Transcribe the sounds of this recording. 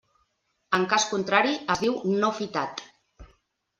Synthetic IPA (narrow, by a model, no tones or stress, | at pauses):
əŋkaskunt̪ɾaɾiəzðiwnofit̪at̪